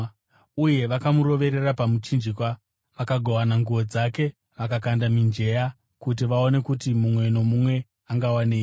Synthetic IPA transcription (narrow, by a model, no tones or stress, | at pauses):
uje̞ʋakamuɾo̞ʋe̞ɾe̞rapamut͡ʃind͡ʒikwa | ʋakaɡʱo̞wanaŋɡuʋo̞d͡zake̞ | ʋakakandamind͡ʒe̞ja | kut̬iʋao̞ne̞kutimumwe̞no̞mumwe̞ | aŋɡawaneː